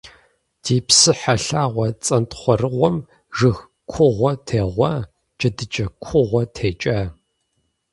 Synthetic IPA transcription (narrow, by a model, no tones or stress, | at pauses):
d̥ʰeːpsɨħaɬaːʁʷɔt͡sʼɐntχʷɔrɨʁʷɔm | ʒɨx | kʷʰʊʁʷɔtʰeːʁʷɐ | d͡ʒʼɐdɨt͡ʃʼɐkʷʰʊʁʷɔtʰeːt͡ʃʼaː